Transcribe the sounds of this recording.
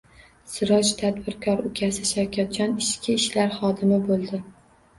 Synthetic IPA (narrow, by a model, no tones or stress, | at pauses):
sɪɾɒt͡ʃt̪ʰad̪bɪɾkʰɒɾʊkʲʰasɪʃawkʲʰat̪̚d͡ʒɒnɪʃkʲɪːʃlaɾχɒd̪ɪmɪbolˠd̪ɪ